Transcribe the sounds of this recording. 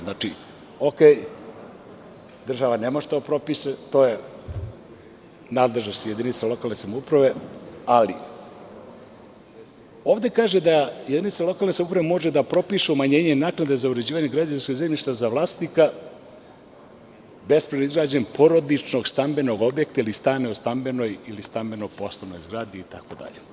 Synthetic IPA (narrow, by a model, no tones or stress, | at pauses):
znat͡ʃi | okeːj | d̪r̩ʒaʋanemoʒet̪opɾo̞piset̪o̞ːje | naːd̪leʒnost̪je̞d̪init̪salˠo̞kaːlˠne̞samoupɾaʋe̞alḭ | o̞ːʋd̪e̞kaːʒed̪ajed̪init̪salˠo̞kalne̞samupɾaʋemo̞ʒed̪apɾo̞piːʃeumaɲe̞ːɲenaːknad̪ezauɾed͡ʑiːʋaɲeɡɾad͡ʑanskozemʎʲiʃt̪azaʋlˠaːst̪nika | be̞spɾenoizɡɾaːd͡ʑempʰo̞ɾo̞d̪it͡ʃno̞ɡst̪ambe̞no̞ɡo̞bje̞kt̪ailist̪aːneost̪ambe̞no̞jilist̪ambe̞no̞po̞slˠoʋno̞̰jzɡɾaːd̪iːt̪ako̞d̪a̰ʎe